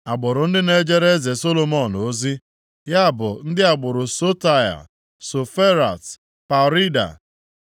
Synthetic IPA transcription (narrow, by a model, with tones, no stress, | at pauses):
a˨ɡ͡bʊ˨ɾʊ˨n̩˦dɪ˦ne˦d͡ʒe˦ɾe˦ze˨so˦lo˦mɔ˦˨no˦zi˦ | ja˦˨bʊ˨n̩˦dɪ˦a˨ɡ͡bʊ˨ɾʊ˨so˦ta˦ja̰˨ | so˨fe˦ɾa̰˨t | pa˨ɾi˦da̰˨